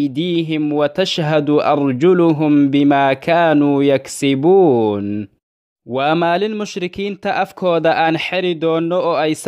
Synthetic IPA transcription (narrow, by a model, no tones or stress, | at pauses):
d̪iːɦɪmwɐt̪aʃɦad̪ʊʔɑ̰ɾˤd͡ʒʊlʊɦʊmbɪmaːkʰaːnuːjaksɪbuːn | wamaːlɪnmʊʃɾɪkiːnt̪ɐʔɐfkʰɔːd̪ɐʔaːnħɪɾɪd̪ɔːnːɔɔːʔajs